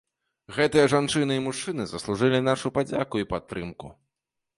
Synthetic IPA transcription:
ɣɛt̪ɨjɐʐant͡ʂɨnɨimuʂt͡ʂɨnɨzɐslˠuʐɨlʲinaʂupad͡zʲakuipat̪ːɾɨmku

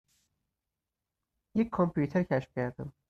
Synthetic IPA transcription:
jecʰʲkʰːompʰut̪ʰeɾcʰæʃfcʰæɾd̪æm

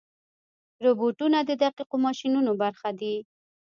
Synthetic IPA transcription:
ɾoboʈunad̪əd̪aqiqomɑʃinunobaɾxad̪i

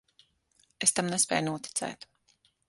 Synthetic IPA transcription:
est̪amnɛspʲɛ̰ːjnuɔt̪i̥t̪sɛ̰ːt̪

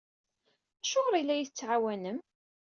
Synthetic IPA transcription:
æʃʊʁɾilːæjθət͡sːʕawænəm

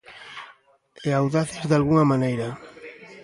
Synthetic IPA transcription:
eawðaθɪzðalɣuŋamanejɾa

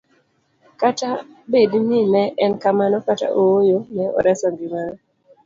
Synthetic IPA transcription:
kata | bedninɛʔɛnkamanɔkata̰ʔowojonɛʔɔ̰ɾɛsɔŋɡimanɔ

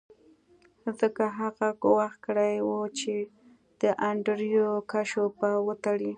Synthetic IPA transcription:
zəkaɦaɣaɡʊwaxkəɽajwot͡ʃe | d̪̥əʔaɳɖɾjokaʃopawət̪aɽi

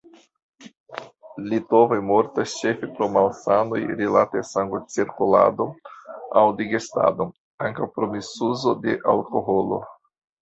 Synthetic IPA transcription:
litovajmoɾtast͡ʃe̞fepɾomalsano̞jɾilatesaŋɡot͡siɾkula̰do̞awdiɡesta̰do̞ | aŋkawpɾo̞misuzo̞de̞ʔalko̞ɦolo̞̰

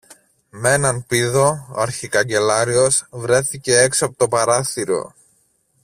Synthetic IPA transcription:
me̞nɐnpiðo̞ɐɾçikɐɲɟe̞lɐɾio̞svɾe̞θice̞eksoɐpot̪o̞pɐɾɐθiɾo̞̰

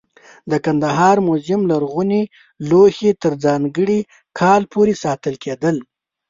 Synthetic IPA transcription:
d̪əkand̪aɦɑɾmozɪmlaɾɣuni | lohet̪əɾd͡zɑŋɡəɽi | kʰɑlpʰoɾesɑt̪əlkʰed̪əl

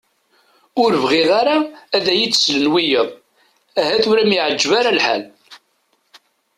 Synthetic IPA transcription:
ʊɾvʁiʁaɾaːðæjit͡sːslənwijəðˤ | æhæθʊɾæmjiʕəd͡ʒːvaɾalħa̰l

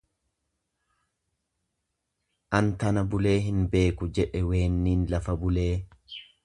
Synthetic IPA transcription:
ʔɐnt̪ɐnɐbʊle̞ːɦɪnbe̞ːkʊd͡ʒɛᶑɛwe̞ːnːiːnlɐfɐbʊle̞ː

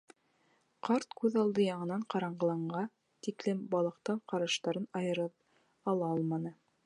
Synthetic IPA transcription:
qɑɾt̪kʉðɑlˠd̪ɤjɑɴɤ̆nɑɴqɑɾɑɴɢɤ̆lˠɑɴɢɑ | t̪iklɘmbɑlˠɤ̆qt̪ɤɴqɑɾɑʃt̪ɑɾɤnɑjɤ̆ɾɤp | ɑlˠɑɑlˠmɑnɤ

